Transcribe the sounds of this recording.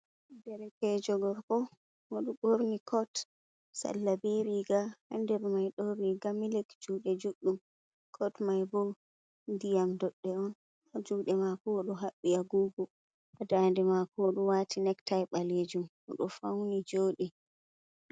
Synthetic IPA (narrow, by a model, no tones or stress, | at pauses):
dɛɾɛkɛd͡ʒɔɡɔɾkɔ | woɗuɓoɾnikʰɔt | sa̰lːabeɾiɡahandɛɾmajɗɔɾiɡamilɛkd͡ʒuːɗɛd͡ʒuɗːum | kʰɔtmajbɔw | ndijamdɔɗːɛɔn | d͡ʒuːɗɛmakɔɗɔɦaɓːiaɡuːɡu | adandɛmakɔɗuwaːtʰinɛktajɓaled͡ʒum | ɔɗɔfawnid͡ʒoːɗi